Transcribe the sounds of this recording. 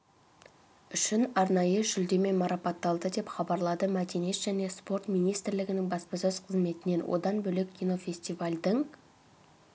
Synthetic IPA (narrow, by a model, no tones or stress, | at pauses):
ʏʃɪnɑɾnɑjəʒʏld̪e̞me̞mɑɾɑpɑt̪ːɑlˠd̪əd̪e̞pχɑbɑɾlˠɑd̪əmæd̪e̞net̪ʒ̥æne̞spo̞ɾt̪mijnijst̪ɪɾlɪɡʲɪnɪŋbɑspɑsøzqʰəzme̞t̪ɪne̞nwʔo̰d̪ɑnbɵlekʲʰːijno̞fʲe̞sʲt̪ivalʲd̪əɴ